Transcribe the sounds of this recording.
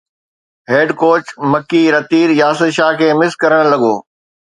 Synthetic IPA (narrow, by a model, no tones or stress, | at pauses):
ɦeːɖkoːt͡ɕmɐkːiɾɐt̪iːɾjaːsɪd̪ʃaːɦkʰeːmɪskɐɾəɽ̃lɐɡoː